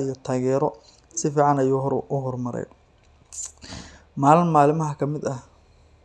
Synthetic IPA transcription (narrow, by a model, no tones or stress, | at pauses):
ijɔt̪ʰaːɣɛːɾɔ | sɪfiːʕɑnɐjuːɦʔʊɦɔrmɐɾɛ̰j | maːlɪnmaːlɪmɐɦɐkʰɐmɪd̪ɐh